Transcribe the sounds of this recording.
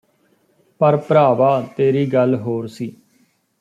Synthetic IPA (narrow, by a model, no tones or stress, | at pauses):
pəɾpəɾaːʋaːt̪eːɾiːɡəlɦoːɾsiː